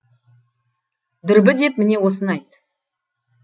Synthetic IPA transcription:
d̪ʏɾbɪd̪e̞pmɪne̞wo̞sənɑjt̪

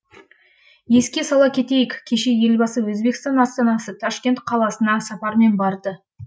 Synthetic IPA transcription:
je̞skʲe̞sɑlˠɑkʲʰe̞t̪e̞jɪkʲʰːe̞ʃe̞je̞lbɑsəwɵzbe̞kst̪ɑnɑst̪ɑnɑsət̪ʰɑʃkʲe̞nt̪qʰɑlˠɑsənɑɴsɑpɑɾəme̞nbɑɾd̪ə

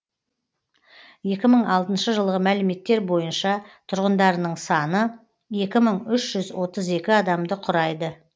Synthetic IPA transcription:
je̞kʲɪməɴɑlˠt̪ənʃəʒəlˠʁəmælɪme̞t̪ːe̞ɾbo̞jənʃɑt̪ʰʊɾʁənd̪ɑɾənəɴsɑnə | je̞kʲɪməɴʏʃʒ̥ʏzwo̞t̪əze̞kʲɪɑd̪ɑmd̪əqʰʊɾɑjd̪ə

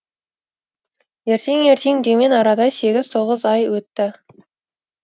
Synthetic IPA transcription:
je̞ɾt̪e̞ŋe̞ɾt̪ʰe̞ŋd̪eme̞nɑɾɑd̪ɑjse̞ɡʲɪz̥t̪ʰo̞ʁəzɑjwɵt̪ːɪ

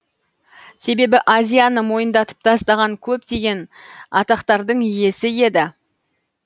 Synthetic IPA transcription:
se̞be̞bɪʔazʲijanəmo̞jənd̪ɑt̪ə̥p̚t̪ʰɑst̪ɑʁɑŋkʲʰɵp̚t̪e̞ɡʲe̞nɑt̪ɑqt̪ɑɾd̪əɴije̞sɪje̞d̪ɪ

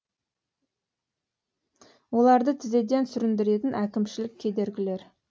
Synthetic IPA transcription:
wo̞lˠɑɾd̪ət̪ʰɪze̞d̪e̞nsʏɾɪnd̪ɪɾe̞t̪ɪnʔækʲɪmʃɪlɪk̚ʲʰːe̞d̪e̞ɾɡʲɪle̞ɾ

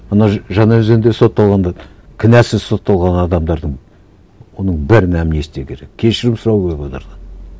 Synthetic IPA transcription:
ɑnɑʒɑnɑɵzɡend̪eso̞t̪ːɑlˠʁɑnd̪ɑ | kʲʰɪnæsɪz̥so̞t̪ːɑlˠʁɑnɑd̪ɑmd̪ɑɾd̪əɴ | wo̞nəɴbɪɾɪnæmne̞sɪd̪ekʲʰe̞ɾe̞kʲʰe̞ʃɪɾɪmsʊɾɑwɡʲepot̪əɾd̪ɑ

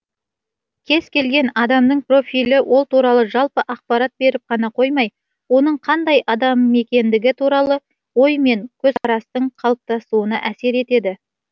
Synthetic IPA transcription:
kʲʰe̞z̥kʲʰe̞lɡʲe̞nɑd̪ɑmd̪əɴpro̞fʲilɪwʔo̞lˠt̪uɾɑlˠəʒɑlˠpəʔɑq̚pɑɾat̪̚be̞ɾɪp̚qʰɑnɑqʰo̞jmɑj | wo̞nəɴqʰɑnd̪ɑjɑd̪ɑmːe̞kʲe̞nd̪ɪɡʲɪt̪ʰuɾɑlˠə | wo̞jme̞ŋkʲʰɵzqɑɾɑst̪əɴqʰɑlˠəp̚t̪ɑsuənəʔæse̞ɾe̞t̪e̞d̪ɪ

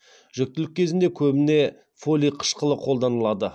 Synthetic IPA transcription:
ʒ̥ɵk̚t̪ɪlɪk̚ʲʰːe̞zɪnd̪e̞kʲʰɵbɪne̞ | folʲijqʰə̥ʃqəlˠəqʰo̞lˠd̪ɑnəlˠɑd̪ə

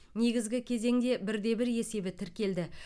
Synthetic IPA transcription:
ne̞ɡʲɪzɡʲɪkʲʰe̞ze̞ŋd̪e̞bɪɾd̪e̞bɪɾe̞se̞bɪt̪ʰɪɾkʲe̞ld̪ɪ

